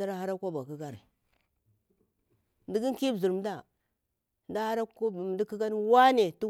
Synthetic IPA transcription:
a˦ɾa˦ha˦ɾa˦kʷa˦ba˨ki˦ɡa˦ɾ | di˦ɡi˦ki˦bi˨ɾm˨da˦˨ | nda˦ha˦ɾa˦˨di˦ki˦ɡa˦n˦wa˦ne˨tu˦

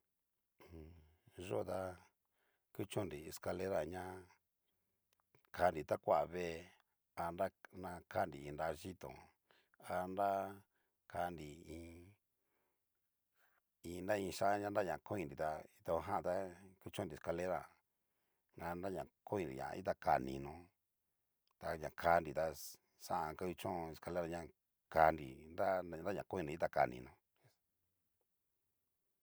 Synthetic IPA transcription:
ʒo˦˨˧t̪a˦ | ku˦t͡ʃõ˦ndi˨˧ska˧le˦ɾa˨ɲã˦ | kʰa˧˨ndi˨t̪a˦kʷa˦ʔβe˦˧ | a˧nda˦nã˧ka˦˨ndi˨i˧nda˧ʒi˦t̪õ̰˨ | a˧nɾa˦ | kʰa˧ndi˨ĩː˧ | ĩ˧nda˦ĩ˧ʃã˦ɲã˦n˦da˦˨ɲã˨˧˨ko˦ĩ˧ndi˨t̪a˧i˦t̪a˧ɦã˦˧t̪a˦ku˦t͡ʃõ˦˧ndi˨ska˧le˦ɾa̰˨ | ŋa˧nda˦ɲã˨ko˦ĩ˧ndḭ˨ɲã̰˨˧ḭ˦t̪a˦˧ka̰˨nḭ̃˧nõ˧˦ | t̪a˧ɲã˨kʰa˧ndi˨t̪a˧ | sa˦ʔa˧ka˧˦u˧t͡ʃõ˦˧e˧ska˧le˦ɾa˧˨ɲã˦˧ | ka˧ndḭ˨nda˦˧˦da˦ɲã˨ko˦ĩ˧ndi˨i˦t̪a˦˨ka̰˨nḭ̃˧nõ˧˦

